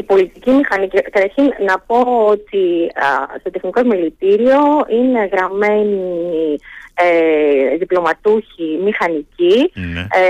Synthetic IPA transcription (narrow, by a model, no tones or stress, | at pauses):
ipo̞lit̪icimixɐnicikɐt̪ɐɾçinnɐpo̞ot̪i | st̪o̞t̪exniko̞zmilit̪iɾio̞ine̞ɣɾɐme̞nieðiplo̞mɐt̪uçimixɐnici